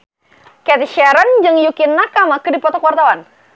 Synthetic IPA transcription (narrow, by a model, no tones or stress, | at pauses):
kɛt̪iʃɛɾənd͡ʒɨŋjukinːakamakədipɔt̪ɔkwart̪awan